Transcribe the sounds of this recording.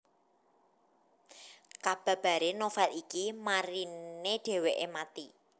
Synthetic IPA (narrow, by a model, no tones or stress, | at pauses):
kab̥ä̤b̥a̤ɾenofɛlikimaɾineɖ̥e̤weʔemat̪i